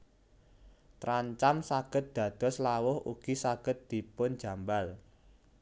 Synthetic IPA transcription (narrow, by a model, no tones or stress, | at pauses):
t̪ɾaɲt͡ʃamsaɡ̥ə̤t̪̚d̪̥ä̤d̪̥ɔ̤slawʊhṵɡ̥isaɡ̥ə̤t̪̚d̪̥i̤pʊn̥d͡ʒ̥ä̤mbal